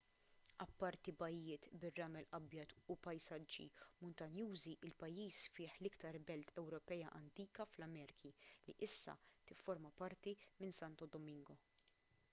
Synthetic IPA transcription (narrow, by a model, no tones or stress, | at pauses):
ɐpːɐɾt̪ibɐjːɪːt̪bɪrːɐːmɛlʔɐbjɐt̪upɐjsɐd͡ʒːḭmʊnt̪ɐnjuːziʔɪlpɐjːiːsfɪːħlɪkt̪ɐɾbɛlt̪ʰɛwɾɔpɛːjɐʔɐnt̪iːkɐflɐmɛːɾɪkʰiliʔɪsːɐ̰t̪ɪfːɔɾmɐpɐɾt̪imɪnsɐnt̪ɔd̪ɔmɪŋɡɔ